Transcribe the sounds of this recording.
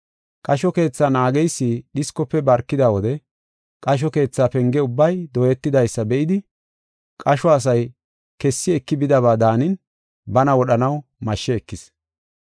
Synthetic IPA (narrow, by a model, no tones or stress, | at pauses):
kʼɐʃɔke̞ːt͡sːaːnaːɡɛjsːiɗɪskɔpːɛbɐɾkːɪd̪awɔd̪ɛ | kʼɐʃ̬ɔke̞ːt͡sːaːpɛŋɡɛʊbːɐjd̪ɔjɛt̪ːɪd̪ɐjsːɐbɛʔɪd̪ɪ | kʼɐʃɔɐs̬ɐj | kɛsːɪɛkːɪbɪd̪ɐβaːd̪aːnɪn | bɐnɐwɔɗɐnɐwmɐʃːɛːkːɪs